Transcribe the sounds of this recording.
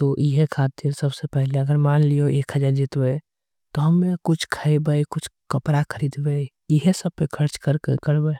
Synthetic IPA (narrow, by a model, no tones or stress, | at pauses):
t̪oʔiɦekʰaːt̪ɪɾsəbsepɛɦleəɡəɾmaːnlijoʔeːkʰɦəd͡ʒaɾd͡ʒɪt̪be | t̪oɦɐmːẽkʊt͡ʃʰkʰəibəikʊt͡ʃʰkəpɾakʰəɾiːd̪be | iɦesəb̚pekʰəɾt͡ʃkəɾkḛkəɽbe